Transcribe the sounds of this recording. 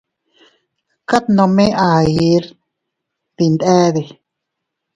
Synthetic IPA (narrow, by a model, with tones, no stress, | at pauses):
ka˦t̪nõ˧mẽ˦ʔa˨ji˧˦ɾ | t̪i˧nd̪ɛ˦d̪i˨